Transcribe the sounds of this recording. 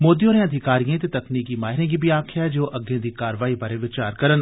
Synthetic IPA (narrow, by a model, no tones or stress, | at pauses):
moːd̪ijoːɾẽɐd̪ʱɪkaːɾijãt̪et̪ɐkniːkiːmaːɦɪɾẽːɡibʱiaːkʰjad͡ʒoːʔɐɡẽːd̪iːkaːɾəʋaːibaːɾeʋɪt͡ʃaːɾkɐɾən